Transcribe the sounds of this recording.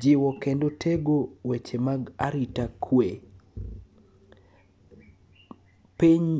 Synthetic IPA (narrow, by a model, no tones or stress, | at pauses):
d͡ʒɪwɔkendotʰeɡowet͡ʃemaɡaɾitakʰwe | piɲ